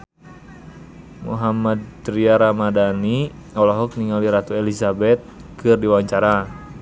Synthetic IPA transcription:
mṵɦamad̪̚tɾiaɾamadaniŋɔlɔɦɔk̚niŋaliɾat̪uelizabɛt̪̚ | kɨrdiwaɲt͡ʃaɾa

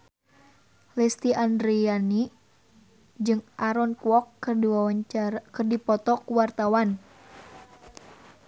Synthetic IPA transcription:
lɛst̪iʔandɾiani | d͡ʒɨŋʔaɾɔnkuɔkaakərdipɔt̪ɔkuwart̪awan

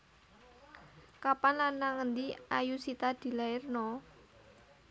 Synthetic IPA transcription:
kapanlanːaŋənd̪iajusit̪ad̪̥i̤laɪrnɔ

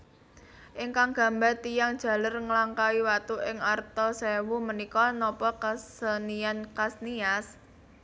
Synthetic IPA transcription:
ʔɪŋkaŋɡ̥a̤mbat̪ijaŋd̥ʒ̥ä̤lərŋəlaŋkaiwat̪uʔɪŋart̪ɔsewumənikɔnɔpɔkasəniankasnias

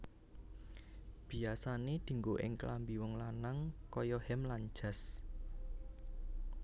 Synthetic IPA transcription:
b̥i̤asaned̪̥i̤ŋɡoʔɪ̰ŋklambiwɔŋlanaŋkɔjɔhɛmland͡ʒa̤s

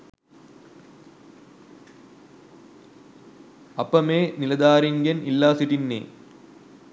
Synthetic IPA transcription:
ɐpːɐmeːnilɐd̪aːɾiŋɡɐnilːaːsiʈinːḛː

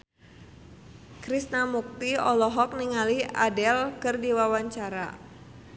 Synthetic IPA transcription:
kɾisnamuk̚t̪iɔlɔɦɔk̚niŋaliadɛlkərdiwawaɲt͡ʃaɾa

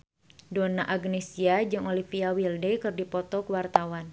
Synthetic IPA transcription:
donaʔaɡnesiad͡ʒɨŋolifiawildɛkɨrdipɔt̪ɔkəwart̪awan

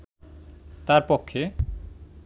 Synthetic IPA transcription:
t̪aɾpokʰːe

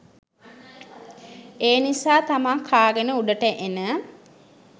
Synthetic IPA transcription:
eːnisaːt̪amaŋkʰaːɡənəuɖəʈəʔenə

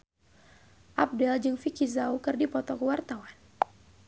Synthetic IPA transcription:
ʔap̚dɛld͡ʒɨŋfikizaukɨrdipɔt̪ɔkəwart̪awan

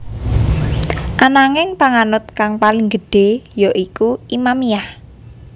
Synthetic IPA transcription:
ʔanaŋɪŋpaŋanʊt̪̚kaŋpaliŋɡəɖ̥e̤joʔikuimamijah

